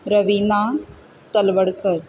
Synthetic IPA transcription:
ɾəʋinaː | t̪ɐlʋəɽkəɾ

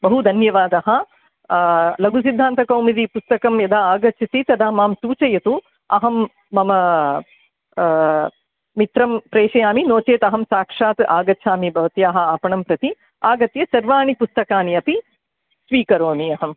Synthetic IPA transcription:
bɐɦud̪ʱɐnjɐʋaːd̪ɐɦɐ | lɐɡus̬id̪ʱːaːnt̪ɐkɐwmid̪ipust̪ɐkɐmjɐd̪aːaːɡɐt͡ʃʰisit̪ɐd̪aːmaːmsuːt͡ʃɐjɐt̪u | ɐɦɐmː | ɐmɐ | it̪ɾɐmpɾeːʂɐjaːminoːt͡ʃeːt̪ɐɦɐmsaːkʂaːt̪ʔaːɡɐtːt͡ʃʰaːmibʱɐʋɐt̪jaːɦɐ̆aːpɐɳɐmpɾɐt̪i | aːɡɐt̪jɐsɐɾʋaːɳipust̪ɐkaːniɐpi | sʋiːkɐɾoːmiɐɦɐm

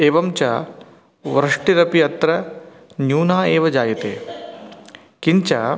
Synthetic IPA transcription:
eːʋɐmt͡ʃaː | ʋɾɐʂʈiɾɐpiɐt̪ɾɐ | njuːnaːeːʋɐd͡ʒaːjɐt̪ḛː | kiɲt͡ʃa̰ː

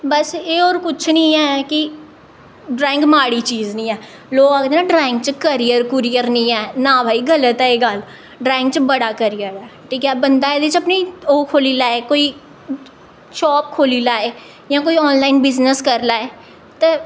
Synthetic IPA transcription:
bəseːɔːɾkʊt͡ʃʰnĩːɛkɪ | ɖɾãːɪ̃ŋkmaːɽiːt͡ʃiːznĩːɛː | loːɡaːɡd̪eːnãːɖɾaːɪ̃ŋk̚t͡ʃəkəɾɪjəɾkʊɾijəɾnĩːɛːnãːbʱaːiːɡələt̪ɛeːɡəl | ɖɾaːɪ̃ŋk̚t͡ʃbəɽaːkəɾijəɾɛːʈʰiːkɛːbənd̪aːeːd̪et͡ʃəpniːoːkʰoːliːlaːeːkoːiː | ʃɔːp̚kʰoːliːlaːeː | jãːk̬oːiːɔːnlaːɪnbɪznəskəɾlaːeː | t̪eː

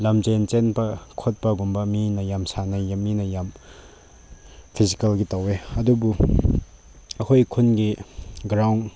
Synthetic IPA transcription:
lamzent͡ʃenpɐkʰot̚pɐɡumbɐminɐjamsanajeminɐjam | pʰizikɐlɡitaweɐdubu | ɐkʰojkʰunɡiɡɾawn

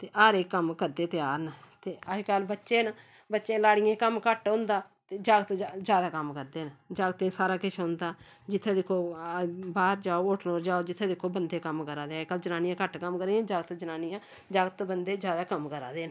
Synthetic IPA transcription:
t̪eːʔaːɾeːkːəmkəɾd̪eːt̪ɪjaːɾnət̪eːəd͡ʒkaːlbətːʃẽːn | bətːʃẽːlaːɽɪjẽːkəmkəʈõːnd̪aː | t̪eːd͡ʒaːɡət̪ːd͡ʒjaːd̪aːkəmkəɾd̪eːnəd͡ʒaːɡət̪ẽːsaːɾaːkɪt͡ʃʰõnd̪aː | d͡ʒɪt̪ʰːẽːd̪ekʰːoːbaːɾd͡ʒaːoːoʈʰnoːɾd͡ʒaːoːd͡ʒɪt̪ʰːẽːd̪ekʰːoːbənd̪eːkəmkəɾaːd̪eːkəld͡ʒənaːnijãːkəʈkəmkəɾeːãːd͡ʒaːɡət̪d͡ʒənaːnijãː | d͡ʒaːɡət̪bənd̪eːd͡ʒjaːd̪aːkəmkəɾa̰ːd̪eːn

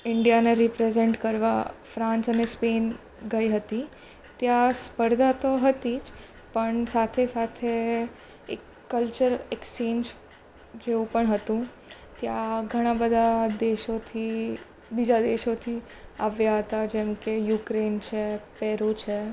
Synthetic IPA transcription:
ɪɳɖijaneɾipɾezeɳʈkəɾʋafɾãnsənespen | ɡəiɦət̪i | t̪jãspəɾd̪ʱat̪oɦət̪id͡ʒ | pəɳsat̪ʰesat̪ʰe | ekːəlt͡ʃəɾekst͡ʃend͡ʒ | d͡ʒeũpəɳɦət̪ũ | t̪jãɡʱəɽ̃abəd̪ʱad̪eʃot̪ʰi | bid͡ʒad̪eʃot̪ʰi | aʋjaɦət̪ad͡ʒɛmkejukɾent͡ʃʰepɛɾut͡ʃʰe

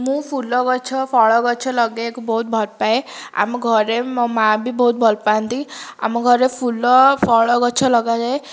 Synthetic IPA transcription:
mũpʰulɔɡɔt͡ʃʰɔpʰɔɭɔɡɔt͡ʃʰɔlɔɡekobɔɦut̪̚bʱɔlpaea̰mɔɡʱɔɾemabʱibɔɦut̪̚bʱɔlpant̪ia̰mɔɡʱɔɾepʰulɔfʰɔɭɔɡɔt͡ʃʰɔlɔɡad͡ʒae

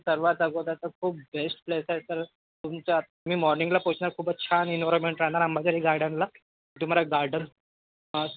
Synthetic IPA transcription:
səɾʋat̪əɡot̪asəkʰuːpbesʈplesajt̪əɾ | t̪umt͡ɕam̤iːmɔɾniŋɡlapot͡ɕnaɾkʰuːpətːɕʰaninʋaɾɔnmeɳʈɾaɦɳaɾambʱat͡ɕaɾiɡaɾɖənla | it̪um̤aɾaɡaɾɖən

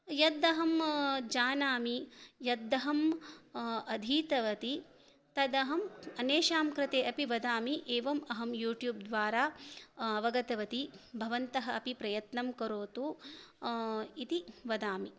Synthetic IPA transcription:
jɐd̪ɐɦɐmd͡ʒaːnaːmijɐd̪ːɐɦɐm | ɐd̪ʱiːt̪ɐʋɐt̪i | t̪ɐd̪ɐɦɐmɐneːʃaːmkɾɪt̪eːʔɐpiʋɐd̪aːmiʔeːʋɐmɐɦɐmjuːʈjuːb̚d̪ʋaːɾaːɐʋɐɡɐt̪ɐʋɐt̪ibʱɐʋɐnt̪ɐɦɐ̆ɐpipɾɐjɐt̪nɐmkɐɾoːt̪u | it̪iʋɐd̪aːmi

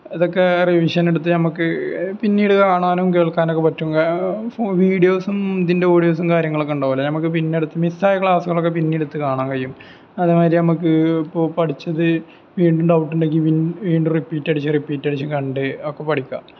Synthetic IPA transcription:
iðokːe̞riʋiʂɐneɽut̪ːɨnɐmukːɨpinːiːɽɨkaːɳaːnmke̞ːɭkːaːnokːepɐtːumɡafoʋiːɽijo̞ːsumnd̪inde̞oːɽijo̞ːsumkaːɾjɐŋːɐɭokːeuɳɖoːʋɐlːɐnɐmɐk̬ːɨpinːeɽut̪ːɨmisaːjɐkɭaːsuɣɐɭokːe̞pinːiːɽut̪ːɨkaːɳaːnkɐɻijum | ɐðɨmaːɾinɐmuk̬ːɨipːoːpɐʈit͡ɕːɐðɨ | ʋiːɳɖuɳɖɐwʈːuɳɖeŋɡiʋiːɳɖumripːiːtːɐɽit͡ɕːɨripiːtːɐɽit͡ɕːukɐɳɖɨokːe̞pɐʈʰikʲːa̰

